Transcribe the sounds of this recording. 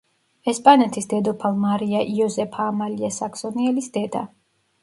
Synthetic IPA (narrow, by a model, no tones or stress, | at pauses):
ɛspʼanɛt̪ʰisd̪ɛd̪ɔpʰalˠmaɾiaʔiɔzɛpʰaːmaliasaksɔniɛlisd̪ɛd̪a̰